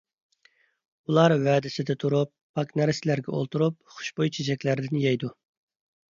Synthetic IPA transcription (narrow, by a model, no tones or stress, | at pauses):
ulˠɑɾwɛːd̪ɪsɪd̪ɛt̪ʰuɾupːɑknæɾɪsɪlæɾɡʲɛʔo̰lˠt̪uɾup̚χʊ̥ʃbojt͡ʃʰid͡ʒɛkʲlæɾd̪ɪnjɛjd̪u